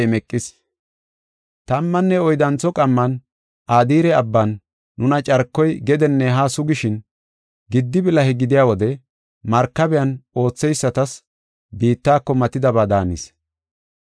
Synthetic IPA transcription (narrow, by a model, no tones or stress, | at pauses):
mɛkʼːɪs | t̪ɐmːɐnːɛɔjd̪ɐnt͡sːɔkʼɐmːɐn | ʔaːd̪iːɾɛɐbːanː | ʊnɐt͡ʃʼɐɾkːɔjɡɛd̪ɛnːɛɦaːsʊɡɪʃɪn | ɡɪd̪ːɪbɪlɐhɛɡɪd̪ɪjaːwɔd̪ɛ | mɐɾkːɐbɛjɐno̞ːt͡sːɛjsːɐt̪ɐs | biːt̪ːaːkːɔmɐt̪ːɪd̪ɐbaːd̪aːnɪs